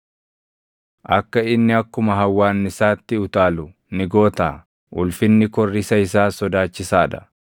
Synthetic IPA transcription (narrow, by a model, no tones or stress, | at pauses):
ʔɐkːɐɪnːɪɐkːʊmɐɦɐwːaːnːɪsaːt̪ːɪʊt̪aːlʊ | nɪɡo̞ːt̪aː | ʔʊlfɪnːɪkɔrːɪsɐɪsaːsɔd̪aːt͡ʃːɪsaːᶑ̪ɐ̥